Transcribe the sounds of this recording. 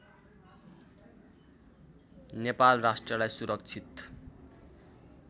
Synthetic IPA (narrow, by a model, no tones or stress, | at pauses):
nepalrasʈrʌlajsuɾʌk̚t͡sʰit̪